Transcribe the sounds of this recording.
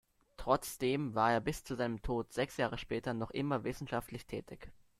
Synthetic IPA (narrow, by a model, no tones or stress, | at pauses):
tʁ̥ɔt͡sd̥eːmvaːɐeːɐbɪst͡suzaɪnəmtʰoːtz̥ɛksjaːʁ̞əʃpɛːtɐnɔχʔɪmɐvɪsn̩ʃaftlɪçtʰɛːtɪç